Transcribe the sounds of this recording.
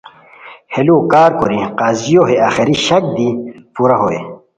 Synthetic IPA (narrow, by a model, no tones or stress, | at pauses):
heluːkaːɾkoɾiqaːzijoɦeaːxeɾiɕɐk̚d̪ipuːɾaɦoḛ